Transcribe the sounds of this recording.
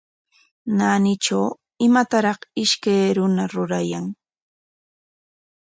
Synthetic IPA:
nanɪt͡ʃaw | ɪmat̪aɾɑχɪʃkajɾʊnaɾʊɾajaŋ

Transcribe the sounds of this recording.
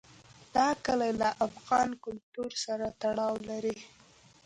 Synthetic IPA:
d̪̥ɑkəlalaʔafɣɑnkʊlt̪uɾsaɾat̪aɽɑwlaɾi

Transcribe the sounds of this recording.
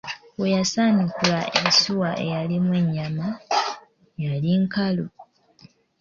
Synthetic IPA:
we̞jasaːnikulaʔensiwaʔe̞̰jalimwe̞ɲːama | jaliŋkalo

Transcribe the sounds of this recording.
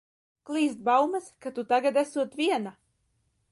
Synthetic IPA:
klˠiːst̪̚bawmaskat̪ut̪aɡad̪æsuɔt̪vʲiɛna

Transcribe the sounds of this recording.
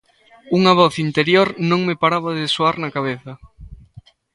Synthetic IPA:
uŋɐβ̞ɔθint̪eɾjoɾnõŋmepaɾaβɐðɪsoaɾnɐkaβ̞eθɐ

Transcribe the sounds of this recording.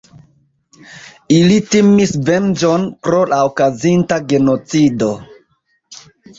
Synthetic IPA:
ilitimisvend͡ʒo̞npɾo̞lʔaokazintaɡe̞no̞t͡sido̞

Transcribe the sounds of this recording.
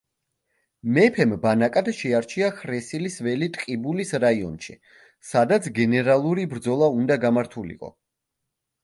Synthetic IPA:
mɛpʰɛmbanakʼad̪ʃɛaɾt͡ʃʰiakɾɛsilisvɛlit̪ʼqʼibulisɾaiɔ̰nʃḭ | sad̪at̪sʰɡɛnɛɾalˠuɾibɾd̪zɔlˠaund̪aɡamaɾt̪ʰulḭqʼɔ̰

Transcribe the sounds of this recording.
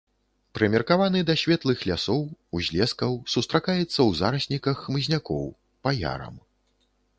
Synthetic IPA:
pɾɨmʲɛrkavanɨd̪ɐsʲvʲɛt̪lˠɨxlʲasɔwuzʲlʲɛskɐwsust̪ɾakajɛt̪sːɐwzaɾɐsʲnʲikɐxːmɨzʲnʲakɔ̰w | paja̰ɾɐ̰m

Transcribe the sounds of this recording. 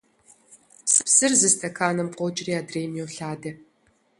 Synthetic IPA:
sɨ̥psɨrzɨstʰʼɐkʰaːnɐmqʷʼɔt͡ʃʼɪriːaːdreːjmjɛwɬaːdɐ

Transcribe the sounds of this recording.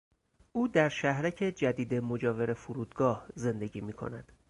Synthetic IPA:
ʔuːd̪æɾʃæhɾæcʰe̞d͡ʒæd̪iːd̪e̞mo̞d͡ʒɒːve̞ɾe̞fuɾuːd̪ɡɒːhze̞nd̪e̞ɟiːmiːkʰo̞̰næd̪̥

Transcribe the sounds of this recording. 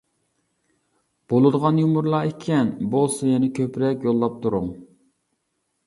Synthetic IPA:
b̥olˠɨd̪əʁɑnjumuɾlˠɑːekʲʰɛnbolˠsɑjɛnɪkʲʰøpɾɛkʲjolˠːɑp̚t̪ʰuɾʊŋ

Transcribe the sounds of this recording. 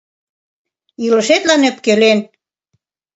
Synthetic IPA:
ilɤ̆ʃet̪lɑnøpkelen

